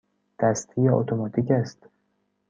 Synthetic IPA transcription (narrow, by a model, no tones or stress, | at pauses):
d̪̥æst̪ʰijeo̰t̪ʰomɒːt̪ʰicæst̪